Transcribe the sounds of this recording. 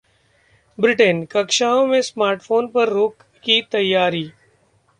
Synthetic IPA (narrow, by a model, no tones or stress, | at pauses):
bɾɪʈənkɐkʃaːõmẽsmaːɾʈfʰoːnpɐɾːoːk | kit̪ɐjːaːɾiː